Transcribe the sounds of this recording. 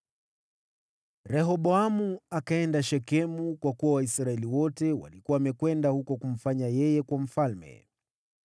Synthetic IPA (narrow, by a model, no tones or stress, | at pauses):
ɾɛɦɔɓɔamuakaɛndaʃɛkɛmukwakuwawaisɾaɛliwɔtɛwa̰likuwaːmɛkwɛndahukɔkum̩faɲajɛjɛkwam̩falmɛ̰